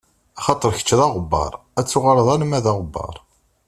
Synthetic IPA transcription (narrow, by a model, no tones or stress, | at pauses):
ɑχɑt̪ˤəɾˤçə̥t͡ʃːðɑʁəbːɑ̰ɾˤ | æt͡sːʊʁələðˤænəmæðɑʁəbːɑ̰ɾˤ